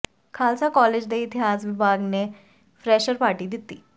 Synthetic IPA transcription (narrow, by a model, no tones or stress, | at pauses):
kʰaːlsakɔled͡ʑd̪eit̪ʰead͡zʋɪbʱaɡne | fɾɛʃəɾpaːɾʈid̪it̪ːiː